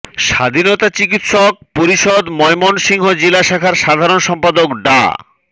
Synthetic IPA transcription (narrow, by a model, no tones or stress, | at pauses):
ʃa̰d̪ʱinɔt̪at͡ɕik̬it̪ʃok̚poɾiʃod̪mɔemonʃiŋɦod͡ʑelaʃakʰaɾʃad̪ʱaɾonʃɔmpad̪okɖa̰